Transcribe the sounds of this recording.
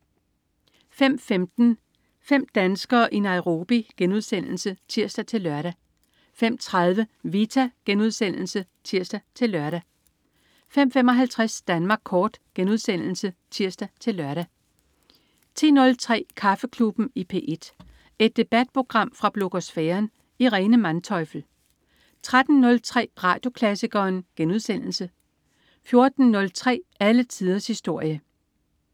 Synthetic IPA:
fem̰femd̥n̩ | fem̰d̥ænsɡ̥ɐːʔinɑ̈ɪʊʁo̝ːb̥iɡ̥enuð̞ˠsen̰l̩sət͡sʰiɐ̰sd̥æt͡sʰe̝lːɶɐɾæ | fem̰t͡sʰʁɑ̈ð̞ˠʋəʋit͡sʰæɡ̥enuð̞ˠsen̰l̩sə | t͡sʰiɐ̰sd̥æt͡sʰe̝lːɶɐɾ̥æ | fem̰fem̰ɒ̽ɦælt͡sʰʁasd̥ænmɑ̈ːɡ̥̚kʰɒːd̥ɡ̥enuðˠsen̰l̩sət͡sʰiɐ̰sd̥æt͡sʰe̝lːɶɐɾ̥æ | t͡sʰe̝̰ːnɔ̽lt͡sʰʁɛ̰ːkʰɑ̈fəkʰlub̥n̩ipʰe̝̰ːʔe̝d̥ | e̝d̥̚ːe̝b̥æd̥̚pʰʁo̝ɡ̥ʁɑ̈m̰fʁɑ̈b̥lo̝ɡ̥o̝sfɛːɐn | iʁɛːnəmænt͡sʰɒ̽ɪfl̩ | t͡sʰʁad̥n̩ːɔ̽lt͡sʰʁɛ̰ːʁɑ̈ːd̥jo̝kʰlæsiɡ̥ɐːnɡ̥enuð̞ˠsen̰l̩sə | fjo̝ɐd̥n̩nɔ̽lt͡sʰʁɛ̰ːælət͡sʰið̞ˠɐshisd̥o̝ɐ̰jə

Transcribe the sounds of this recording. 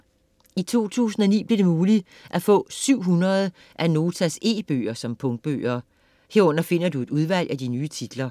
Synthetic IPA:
it͡sʰo̝̰ːt͡sʰṵːsn̩ɒnḭːb̥le̝d̥e̝muːli | ʔæfɔ̰̽ːsyʊ̰ɦunɐð̞̩ˠ | ʔæno̝ːt͡sʰæse̝̰ːb̥ø̰ːɐsɒ̽mpʰɔ̽ŋd̥̚b̥ø̰ːɐ | he̝ɐɔ̽n̰ɐfe̝n̰ɐd̥ue̝d̥uð̞ˠʋæl̰ʔæd̥inyːt͡sʰid̥lɐ

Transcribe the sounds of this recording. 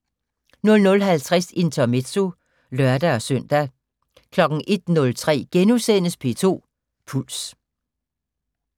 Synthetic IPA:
nɔ̽lnɔ̽lɦælt͡sʰʁɛsent͡sʰɒmed̥so | lɶɐd̥æɒ̽sœn̰d̥æ | kʰlɒ̽ɡ̥ŋ̩ʔe̝d̥nɔ̽lt͡sʰʁɛ̰ːɡ̥enusen̰əspʰe̝t͡sʰo̝̰ː | pʰul̰s

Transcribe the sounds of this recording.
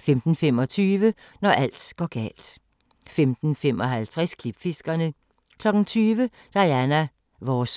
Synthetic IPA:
femd̥n̩femɒ̽t͡sʰyːʋə | nɒʔæl̰d̥ɡ̥ɒɡ̥ɛ̰ːld̥ | femd̥n̩femɒ̽ɦælt͡sʰʁɛskʰlib̥fe̝sɡ̥ɐnə | kʰlɒ̽ɡ̥n̩t͡sʰyːʋə | d̥ɑ̈ɪænæ | ʋɒs

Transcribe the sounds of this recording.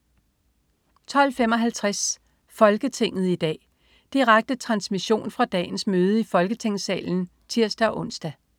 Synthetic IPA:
t͡sʰɒ̽l̰femɒ̽ɦælt͡sʰʁas | fɒ̽lɡ̥ət͡sʰe̝ŋ̰ð̞̩ˠid̥ɛ̰ː | d̥iʁaɡ̥̚d̥ət͡sʰʁɑ̈nsmiɕo̝̰ːnfʁɑ̈d̥ɛ̰ːnsmøːð̞ˠəifɒ̽lɡ̥ət͡sʰe̝ŋ̰sɛ̰ːln̩ | t͡sʰiɐ̰sd̥æɒʔɔ̽n̰sd̥æ

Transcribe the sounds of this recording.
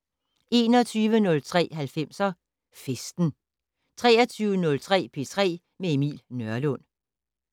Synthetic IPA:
e̝ːnɒt͡sʰyːʋənɔ̽lt͡sʰʁɛ̰ːɦælfem̰sɐ | fesd̥n̩ | t͡sʰʁɛ̰ːɐt͡sʰyːʊənɔ̽lt͡sʰʁɛ̰ːpʰe̝t͡sʰʁɛ̰ː | meemḭːlnœɐlɔn̰

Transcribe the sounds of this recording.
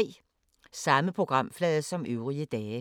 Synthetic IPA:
ɪ | sɑməpʰʁʊɡ̥ʁɑmflɛːəsɔmʉːʁiəd̪ɛː

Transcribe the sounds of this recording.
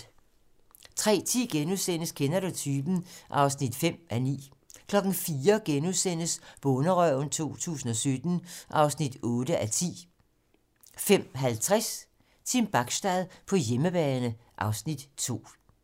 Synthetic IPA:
t͡sʰʁɛ̰ːt͡sʰḭːɡ̥enusen̰əskʰenæɾot͡sʰyːb̥n̩ʔɑ̈ʊsnid̥fem̰ænḭː | kʰlɒ̽ɡ̥n̩fiːɐɡ̥enusen̰əsʋ̥ɔ̽nəʁœʊn̩t͡sʰo̝̰ːt͡sʰṵːsn̩ɒ̽sød̥n̩ʔɑ̈ʊsnid̥ɔ̽ːd̥əʔæt͡sʰḭː | fem̰ɦælt͡sʰʁɛs | t͡sʰimb̥ɑ̈ɡ̥sd̥ɛðˠpʰɒ̽jeməb̥ɛːnəʔɑ̈ʊsnid̥t͡sʰo̝̰ː

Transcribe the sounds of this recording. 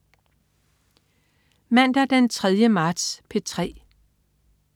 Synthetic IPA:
mæn̰d̥æɐd̥ent͡sʰʁɛð̞ˠjəmɑ̈ːd̥spʰe̝t͡sʰʁɛ̰ː

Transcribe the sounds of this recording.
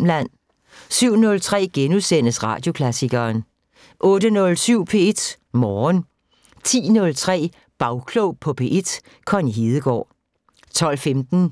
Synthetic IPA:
mlæn̰ | syʊ̰nɔ̽lt͡sʰʁɛ̰ːɡ̥enusen̰əsʁɑ̈ːd̥jo̝kʰlæsiɡ̥ɐːn | ʔɔ̽ːdənɔ̽lsyʊ̰pʰe̝ed̥ | mɒːn | t͡sʰḭːnɔ̽lt͡sʰʁɛ̰ː | b̥ɑ̈ʊkʰlɔʊpʰɒ̽pʰe̝̰ʔed̥ | kʰɒ̽niɦiːð̞ˠəɡ̥ɒ̰ː | t͡sʰɒ̽l̰femd̥n̩

